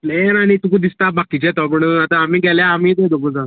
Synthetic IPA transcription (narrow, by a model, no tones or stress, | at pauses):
plenanit̪ukud̪ist̪abakit͡ɕɛt̪ɔpəɳat̪aːm̤iːɡɛljaam̤iːd̪ed̪okəd͡zã